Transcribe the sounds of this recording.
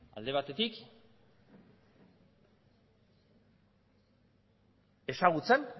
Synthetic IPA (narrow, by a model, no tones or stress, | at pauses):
a̰ld̪e̞β̞at̪e̞t̪ik | e̞saɣ̞ut͡se̞n